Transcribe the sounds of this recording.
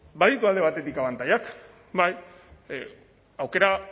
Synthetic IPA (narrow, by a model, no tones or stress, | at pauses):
baðikoald̪e̞βat̪e̞t̪ikaβant̪ajak | baj | awke̞ɾa